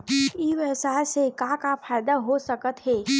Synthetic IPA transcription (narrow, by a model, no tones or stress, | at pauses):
iʋɛsaːlsekãkafʰaːɪd̪aɦosəkət̪ɦɛː